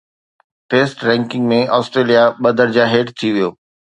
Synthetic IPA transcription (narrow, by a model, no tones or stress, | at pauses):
feːsʈɾɛ̃ːŋkɪ̃ŋɡmẽɔːsʈɾeːlijaɓɐd̪ʱəɾd͡ʑaːɦeːʈt̪ʰiʋijoː